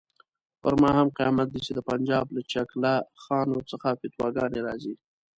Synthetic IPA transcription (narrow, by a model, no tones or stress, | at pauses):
pəɾmɑhamqijɑ̰mat̪̚d̪it͡ʃed̪əpand͡ʒɑːblat͡ʃaklaxɑːnwəɾt͡səxafɪt̪wɑ̰ɡɑneɾɑzi